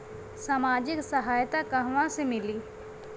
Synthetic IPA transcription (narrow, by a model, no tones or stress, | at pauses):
saːmaːd͡ʒɪksəɦaːjt̪akəɦʋãsemɪliː